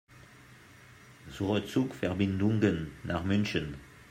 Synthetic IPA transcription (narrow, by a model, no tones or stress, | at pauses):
zuʁət͡sukfɛʁbɪnduŋɡənːaχmʏnçən